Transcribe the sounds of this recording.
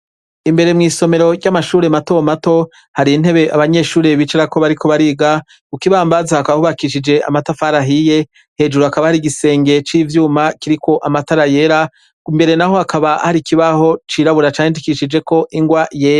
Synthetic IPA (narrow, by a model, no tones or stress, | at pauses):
imbe̞ɾe̞mŋiːso̞me̞ɾo̞ɟamaʃuːɾe̞matomato̞ | haɾiːn̥e̞βe̞ʔaβaɲe̞ːʃuːɾe̞βit͡ʃeɾako̞βaɾikʰo̞βaɾiːɡa | ukiβaːmbazahakaβahuβakiʃid͡ʒe̞ʔa̰matafaɾaɦije̞ | he̞d͡ʒuɾuakaβahaɾiɡise̞ːŋɡe̞t͡ʃiːvjuːmakiɾiko̞ʔamataɾaje̞ːɾa | umbe̞ɾe̞naho̞akʰaβahaɾikiβaho̞t͡ʃiːɾaβuɾat͡ʃaːendikiʃid͡ʒe̞ko̞ʔiŋɡwajeːɾa